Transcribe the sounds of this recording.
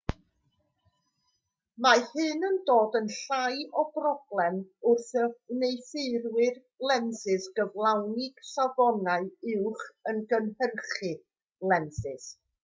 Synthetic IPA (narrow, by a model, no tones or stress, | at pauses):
mahɨnəndoːdənɬajɔbrɔb̥lˠɛmʊrθɛvnejθejrwɪr | lˠɛmsɪsɡ̥əvlˠawnɪɡ̥savɔnaɨɪwχənɡənhərχɨ | lˠɛmsɪs